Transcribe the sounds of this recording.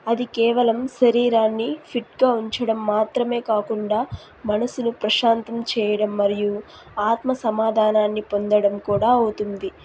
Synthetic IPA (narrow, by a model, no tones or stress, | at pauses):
ɐd̪ikɛːʋɐlɐmʃɐɾiːɾaːnːipʰiʈ̚ɡaːuɲt͡ʃɐɽɐmːaːt̪ɾɐme̞ːkaːkuɳɖaː | mɐnɐsunupɾɐʃaːnt̪ɐmt͡ʃɛːjɐɽɐmːɐɾiju | aːt̪mɐsɐmaːd̪ʱaːnaːnːipo̞nd̪ɐɽɐmkuːɽaːot̪und̪i